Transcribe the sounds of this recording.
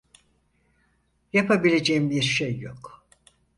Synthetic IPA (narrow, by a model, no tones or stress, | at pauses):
japʰabilʲed͡ʒejimbiɾʃejːo̰k